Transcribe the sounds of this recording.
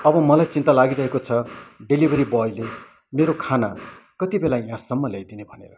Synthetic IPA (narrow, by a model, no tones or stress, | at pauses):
ʌbʌmʌlajt͡sint̪alaɡiɾʌɦekot͡sʰʌɖelibʱʌɾibʌjle | meɾokʰana̰ | kʌt̪ibelajãsʌmːʌlejd̪inebʱʌnḛɾʌ